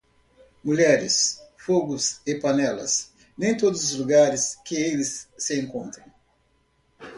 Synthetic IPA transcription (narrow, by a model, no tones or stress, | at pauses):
muʎɛɾɪ̰sfoɡʊsɪpanɛlɐ̰s | nẽj̃t̪od̪ʊzʊzluɡaɾɪskɪelɪsːɪẽŋkõnt̪ɾɐ̃w̃